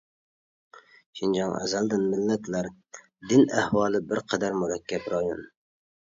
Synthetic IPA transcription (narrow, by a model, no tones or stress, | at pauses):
ʃind͡ʒɑŋɛ̰zæld̪ɪnmɪlːɛt̪ʰlæɾ | d̪ɪnæhwɑːlˠɨbɪɾqʰɛd̪æɾmuɾɛkʲʰːɛpɾɑjon